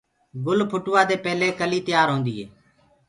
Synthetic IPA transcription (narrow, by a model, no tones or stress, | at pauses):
ɡʊlpʰʊʈʊʋaːd̪eːpɛːleːkəliːt̪əjaːɾɦõːnd̪iːɦeː